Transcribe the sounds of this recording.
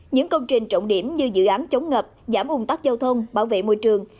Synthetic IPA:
ɲɨ̰˧˥ŋkə˧wŋ͡mt͡ɕï˨˩ŋ̟t͡ɕə̰˧˨wŋ͡mɗi˧˩əmɲɨ˧zɨ̰˧˨ʔaː˨˦nt͡ɕə˨˦wŋ͡mŋəː˨˩p̚zaː˧˩mʔʊ˧wŋ͡mt̪a˦˥k̚za˧wt̪ʰə˧wŋ͡mɓaː˧˩wvḛ˧˨mo˧jt͡ɕɨ˨˩əŋ

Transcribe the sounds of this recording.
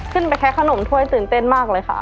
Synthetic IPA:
kʰɯ˥˩npa˧jkʰɛ˦˥kʰa˧no˨˩˦mt̪ʰu˧˥˩əjt̪ɯː˨˩nt̪e˥˩nmaː˥˩k̚lɤː˧jkʰa̰˥˩ʔ

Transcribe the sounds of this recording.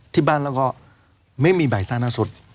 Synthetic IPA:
t̪ʰiː˦˧˩baː˥˩˨nlɛː˧˥wkɔː˥˩ | ma˥˩jmiː˧baː˨˩jsaː˧˩naː˧˥so˨˦˥t̪̚

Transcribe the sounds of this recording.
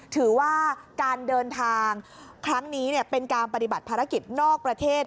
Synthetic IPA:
t̪ʰɯː˩˦waː˥˩kaː˧ndɤː˧nt̪ʰaː˧ŋkʰɾa˦˥ŋniː˦˥ni˥˩ɐpe˧nkaː˧npa˧t̪i˨˩ba˨˩t̪̚pʰaː˧ɾa˦˥ki˨˩t̪̚nɔː˥˩k̚pɾa˧t̪ʰeː˥˩t̪̚

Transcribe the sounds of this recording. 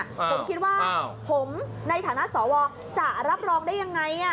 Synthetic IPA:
pʰo˩˦mkʰi˦˥t̪̚waː˥˩pʰo˩˦mna˧jt̪ʰaː˩˦na˦˥ʔsɔː˩˦wɔː˧ | t͡ɕa˨˩ʔɾa˦˥p̚ɾɔː˧ŋdaː˥˩jːa˧ŋːa˧jʔa˧˩

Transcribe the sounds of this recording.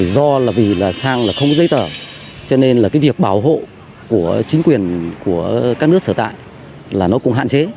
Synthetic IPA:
zɔ˧laː˨˩vi˨˩laː˨˩saː˧ŋlaː˨˩xə˧wŋ͡mkɔ˦zə˨˦jt̪əː˨˩ | t͡ɕɔ˧ne˧nlaː˨˩kaː˨˦jvi˨˩ək̚ɓaː˧˩wɦo̰˧˨ | ku˧˩ət͡ɕï˨˦ŋ̟kwi˨˩ənku˧˩əkaː˦˥k̚n˦ək̚səː˧˩t̪a̰ː˧˨j | laː˨˩nɔ˨˦kʊ˧˥ŋ͡mɦa̰ː˧˨nt͡ɕe˨˦

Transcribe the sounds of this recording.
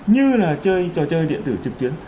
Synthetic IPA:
ɲɨ˧laː˨˩t͡ɕəː˧jt͡ɕɔ˧t͡ɕəː˧jɗḭ˧˨ənt̪ɨ˧˩t͡ɕɨ˨˩k̚t̪wi˨˦ən

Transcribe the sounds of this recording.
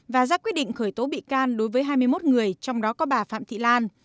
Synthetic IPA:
vaː˨˩zaː˧kwi˦˥əɗḭ˧˨ŋ̟xəː˧˩jt̪o˨˦ɓḭ˧˨kaː˧nɗo˨˦jvəː˨˦jɦaː˧jmɨ˧əjmo˦˥t̚ŋɨ˨˩əjt͡ɕɔ˧wŋ͡mɗɔ˨˦kɔ˨˦ɓaː˨˩fa̰ː˧˨mt̪ʰḭ˧˨laː˧n

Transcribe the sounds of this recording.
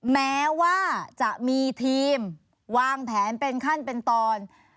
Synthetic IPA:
mɛː˦˥waː˥˩t͡ɕa˨˩ʔmiː˧t̪ʰiː˧m | waː˧ŋpʰɛː˩˦npe˧nkʰa˥˩npe˧nt̪ɔː˧n

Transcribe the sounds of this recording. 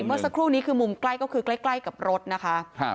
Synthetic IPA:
mɯ˥˩əsa˧˥kʰɾuː˥˩niː˦˥kʰɯː˧mu˨˧˩mkla˥˩jkɔ˥˩kʰɯː˧kla˦˥˩jkla˥˩jka˨˩p̚ɾo˦˥t̪̚na˦˥kʰa˦˥ʔʰ

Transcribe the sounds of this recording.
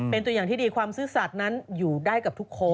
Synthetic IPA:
pe˧nt̪u˧jaː˨˩ŋt̪ʰiː˥˩diː˧kʰwaː˧msɯː˦˥sa˨˩t̪̚na˦˥njuː˨˩daː˥˩jka˨˩p̪̚ʰu˦˥kʰːoː˦˥

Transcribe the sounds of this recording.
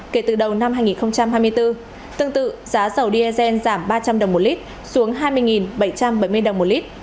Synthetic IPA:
ke˧˩t̪ɨ˨˩ɗə˨˩wna˧mhaː˧jŋi˨˩nxə˧wŋ͡mt͡ɕa˧mɦaː˧jmɨ˧əjt̪ɨ˧ | t̪ɨ˧əŋt̪ɨ̰˧˨zaː˨˦zə˨˩wɗi˧ʔɛ˧zɛ˧nzaː˧˩mɓaː˧t͡ɕa˧mɗə˨˩wŋ͡mmo˨˩t̚li˦˥t̚ | su˨˦əŋɦaː˧jmɨ˧əjŋi˨˩nɓə˧˩jt͡ɕa˧mɓə˧˩jmɨ˧əjɗə˨˩wŋ͡mmo˨˩t̚li˦˥t̚

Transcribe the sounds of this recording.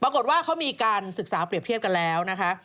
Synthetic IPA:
pɾa˧ko˨˩t̪̚waː˥˩kʰa˦˥wmiː˧kaː˧nsɯ˨˩k̚saː˩˦˥pɾi˨˩ət̪ʰət̚ka˧nlɛː˦˥wna˦˥kʰa˦˥ʔ

